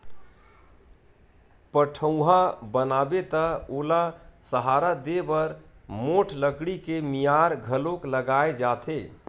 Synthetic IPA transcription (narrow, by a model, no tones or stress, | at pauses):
pəʈʰəw̃ɦabənabet̪əolasəɦaɾad̪ebəɾmoʈʰləɡɽikemijaɾɡʱəlokləɡaed͡ʒat̪ʰe